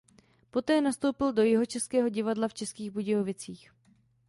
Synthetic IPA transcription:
po̞t̪ɛːnast̪o̞wpɪldo̞jɪɦo̞t͡ʃɛskɛːɦo̞ɟɪvadlaft͡ʃɛskiːɣbuɟɪovɪt͡siːx

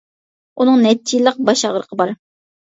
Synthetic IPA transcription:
unɨŋnɛt͡ʃʰːijlˠəq̚bɑʃɑʁɾəqʰəbɑɾ

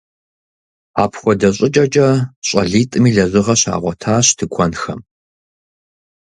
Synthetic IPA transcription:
a̰ːpʰxʷɔdɐɕʼɐt͡ʃʼɐt͡ʃʼɐɕʼɐɮiːtʼɨmiːɮɐzɨʁɐɕa̰ːʁʷɔtʰaːɕtʰɨkʷʰɔnxɐ̰m

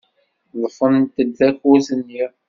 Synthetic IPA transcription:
ðˤəfənt̪əd̪ːækusənːiɾ

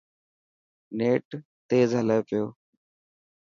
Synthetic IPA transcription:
neːʈ | t̪eːzɦəlaːepɪjo̰ː

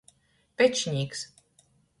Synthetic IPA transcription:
pʲɛt͡ʃɲʲiːks

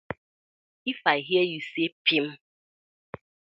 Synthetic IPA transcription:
ifaiɦjejusepʰim̩

